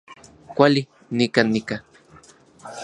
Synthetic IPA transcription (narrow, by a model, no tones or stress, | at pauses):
kʷali | nikanika